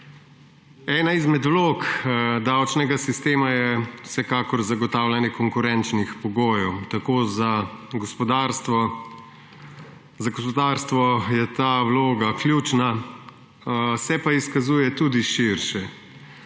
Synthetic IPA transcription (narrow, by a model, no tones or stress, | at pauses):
ɛːnaizmɛd̪wloːkd̪awt͡ʃnɛɡasist̪eːmajɛwsɛkaːkɔɾzaɡɔt̪aːwlʲanjɛkɔŋkʊɾɛnt͡ʃnixpɔɡoːjɔwt̪akoːzaɡɔspɔd̪aɾst̪ʋɔ | zaɡɔspɔd̪aːɾst̪ʋɔjɛt̪awloːɡaklʲjuːt͡ʃna | sɛpaiskazuːjɛt̪uːd̪iʃiɾʃɛ